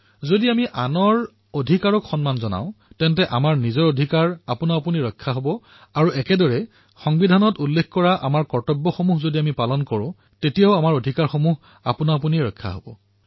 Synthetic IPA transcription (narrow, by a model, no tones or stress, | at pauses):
zodiamiʔanɔɹ | odʱikaɹɔkxɔnmanzɔna̰ʊ̃tɛntɛʔamaɹnizɔɹodʱikaɹapunaapuniɹɔjkʰːaɦobɔ | aɹuɛkɛdɔɹɛ | xɔŋbidʱanɔtulːekkɔɹaʔa̰maɹkɔɹtɔbːɔxomuɦzodiamipalɔnkɔɹʊ̃ | tetijaʊamaɹodʱikaɹxomuɦ | a̰punaap̬uniɹɔjkʰːa̰ɦo̰bɔ̰